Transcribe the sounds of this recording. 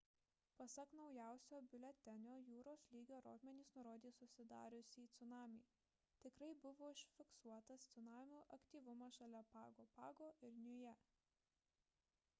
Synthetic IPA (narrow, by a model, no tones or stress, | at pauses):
pɐsɐknɒʊjæˑʊsʲoːbʲɪlʲɛt̪ʲɛnʲoːjuːɾoːslʲiːɡʲoːɾoːt̪ʲmʲɛnʲiːsnʊɾoːd̪ʲiːsʊsʲɪd̪ɑ̰ːɾʲʊsʲiːt̪sʲʊnɑːmʲḭː | t̪ʲɪkɾɐɪbʊʋoːɪʃʲfʲɪksuɔt̪ɐst̪sʲʊnɑːmʲuːʔɐkt̪ʲiːʋʊmɑʃɐlʲɛpɑ̰ːɡoːpɑːɡoːʔɪɾnʲʊjɛ